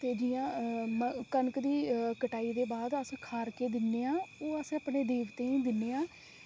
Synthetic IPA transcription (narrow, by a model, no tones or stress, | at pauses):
t̪eːd͡ʒijãːməkənəkd̪iːkəʈaːiːd̪eːbaːd̪əskʰaːɾkeːd̪ɪnːeːãːoːəsəpneːd̪eːʋt̪ẽːĩːd̪ɪnːeːãː